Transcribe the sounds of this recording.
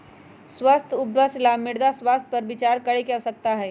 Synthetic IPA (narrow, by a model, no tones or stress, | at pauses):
swəst̪ʰʊbjaːslaːmːɪɽd̪aswaːst̪̚ʰpɐɾbɪt͡ʃaːɾkɐɽekɛsɐk̚t̪aɦɛː